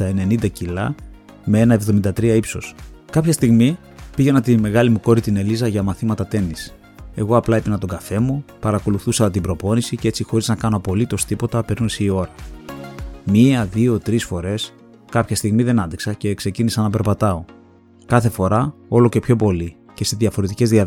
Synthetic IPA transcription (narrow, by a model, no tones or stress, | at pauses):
ɐene̞nind̪ɐcilɐ̰ | meenɐe̞vðo̞mind̪ɐt̪ɾiɐipso̞̰skɐpçɐst̪iɣmi | piʝe̞nɐt̪ime̞ɣɐlimuko̞ɾit̪ine̞lizɐʝɐmɐθimɐt̪ɐt̪e̞nis | e̞ɣo̞ɐplɐepenɐnt̪o̞ɡɐfe̞mupɐɾɐko̞luθusɐt̪t̪ibɾo̞po̞nisicee̞t͡sixo̞ɾiznɐkɐno̞po̞lit̪o̞st̪ipo̞t̪ɐpe̞ɾnunseio̞ɾɐ | miɐðio̞t̪ɾisfo̞ɾe̞s | kɐpçɐst̪iɣmiðe̞nɐnd̪iksɐce̞kse̞cinisɐnɐp̬e̞ɾpɐt̪ɐo̞ | kɐθe̞fo̞ɾɐo̞lo̞ce̞pço̞po̞li | ce̞seðjɐfo̞ɾe̞t̪ice̞zðiɐ